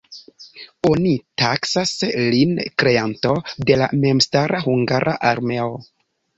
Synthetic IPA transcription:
o̞nitaksaslinkɾe̞antode̞la̰me̞mstaɾahuŋɡaɾʔaʔaɾme̞o

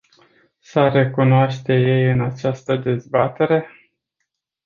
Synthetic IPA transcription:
səre̞kunoaʃt̪e̞je̞jɨnat͡ʃast̪əd̪e̞zbat̪e̞ɾe̞

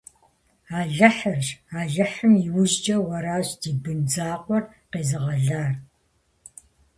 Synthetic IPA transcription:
aːɮɐħərʒaːɮɐħɨmjiwʊʑd͡ʒʼɐwɐɾaːɕd̥iːbɨnd͡zaːqʷʼɔr | qeːzɨʁɐɮaːr

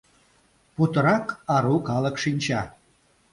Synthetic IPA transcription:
put̪əɾɑkɑɾukɑləkʃinʲt͡ɕɑ

